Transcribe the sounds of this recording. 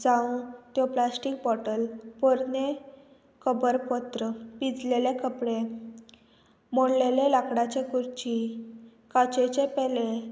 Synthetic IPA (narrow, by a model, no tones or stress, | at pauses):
d͡zaũt̪jɔplasʈik̚bɔʈəlpoɾne | kəbəɾpɔt̪ɾəpid͡zlelekəpɽe | moɽlelelakɽat͡ɕekuɾt͡ɕi | kat͡ɕet͡ɕepɛle